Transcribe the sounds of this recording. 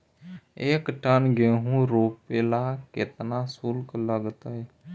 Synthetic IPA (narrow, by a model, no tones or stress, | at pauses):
eːkʈənɡeːɦũɾoːpelakɪt̪nasulkləɡt̪e